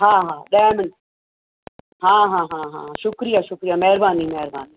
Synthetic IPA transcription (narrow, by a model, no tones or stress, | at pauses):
ɦãːɦãːɗɛːmən | ɦãːɦãːɦãːɦã̰ːʃʊkɾijaːʃʊkɾijaːmɛɦɾbaːnimɛːɾbaːniː